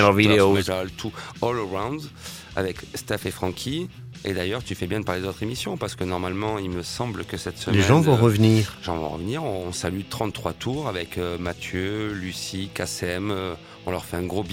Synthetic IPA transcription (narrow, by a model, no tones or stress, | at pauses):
lɔvid̪eoeʒalt̪ʰuɔlʁãw̃d̪z | a̰vɛkst̪ɛfefχɑ̃kʲʰi | ḛd̪ajœʁt̪yfɛbjɛ̃d̪əpaled̪ot̪χemisjɔ̃paʁsə̥kənɔʁmalmɑ̃ilməsɑ̃blkəsɛt̪səmleɛʒɑ̃vɔ̃ʁəvniːʁeʒɑ̃vɔ̰̃ʁə̰vniʁɔ̃ːsalyt̪χɑ̃t̪ːχwat̪ʰuʁavɛkømat̪ʰjølysikasɛm | ɔ̃lœʁfɛɛ̃ɡʁob